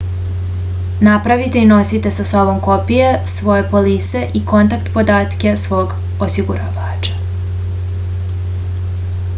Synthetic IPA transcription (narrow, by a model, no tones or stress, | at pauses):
napɾaʋit̪e̞ino̞sit̪e̞saso̞bo̞mko̞pijesʋo̞je̞poliːse̞ʔiko̞nt̪akt̪po̞d̪aːt̪ke̞sʋo̞ːɡ | osiɡuɾa̰ʋaːt͡ʃḁ